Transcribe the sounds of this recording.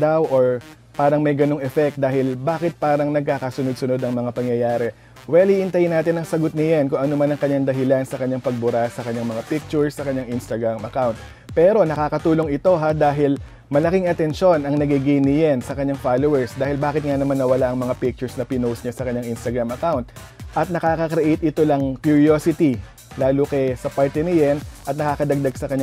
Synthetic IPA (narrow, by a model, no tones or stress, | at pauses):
d̪awʔoɹ | paːɾɐŋmɐjɡɐnoŋɛfɛk̚t̪̚d̪aːhɪlbaːkɪt̪̚paːɾɐŋnɐɡ̚kaːkɐsʊnod̪sʊno̞d̪ɐŋmɐŋapɐŋjɐjaːɾɛ | wɛliːʔɪnt̪ɐjnaːt̪ɪnɐŋsɐɡot̪̚nɪjankʊŋʔɐnomanɐŋkɐɲːaŋd̪ɐɦɪlansɐkɐɲaŋpɐɡ̚bʊɾasɐkɐɲːaŋmɐŋapɪk̚t͡ʃʊɹsːɐkɐɲaŋʔinst̪ɐɡɹamʔɐkawnt̪̚ | pɛɾo̞nɐkaːkɐt̪uːlo̞ŋʔɪt̪o̞ɦad̪aːɦɪl | mɐlɐkiŋʔɐt̪ɛnʃo̞nɐŋnɐɡiɡijnɪjɛnsɐkɐɲːaŋfaːlowɛɹsd̪aːhɪlbaːkɪt̪̚ŋanɐmanːɐwɐlaʔɐŋmɐŋapik̚t͡ʃʊɹsnɐpɪnowsɲasɐkɐɲaŋʔɪnst̪ɐɡɾamɐkawnt̪̚ | ʔɐt̪̚nɐkaːkɐkɾɛʔɛjt̪ʔɪt̪olɐŋkjʊɹjoːsɪt̪i | laːlokɛsɐpaɹt̪ɛnɪjɛnʔɐt̪̚nɐkaːkɐd̪ɐɡ̚d̪aɡsɐkɐɲ